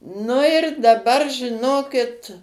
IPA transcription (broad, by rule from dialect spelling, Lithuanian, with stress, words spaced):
nʊ ɪr dɐˈbɐr ʒʲɪˈnoːkʲɪt